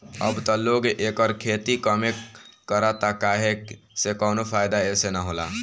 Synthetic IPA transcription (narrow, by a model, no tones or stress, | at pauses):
ə̰bt̪ɔloɡʔeːkɔɾkʰeːt̪ikəmekəɾat̪akaːɦesekɔːnopʰaːjd̪aesenaɦola